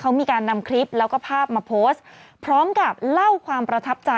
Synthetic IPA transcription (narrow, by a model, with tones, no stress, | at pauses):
kʰa˦˥wmiː˧kaː˧nːa˧mkʰɾi˦˥p̚lɛː˦˥wkɔː˥˩pʰaː˥˩p̚maː˧pʰoː˦˥stpʰɾɔː˦˥mka˨˩p̚la˥˩wkʰwaː˧mpɾa˧t̪ʰa˦˥p̚t͡ɕa˧